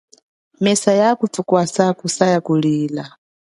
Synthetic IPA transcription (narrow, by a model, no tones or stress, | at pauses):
mɛsajakutukwasakusajakuliːla